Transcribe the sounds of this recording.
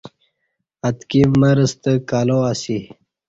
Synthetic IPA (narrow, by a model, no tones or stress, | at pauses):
ɐt̪kivməɾəst̪əkaːloasi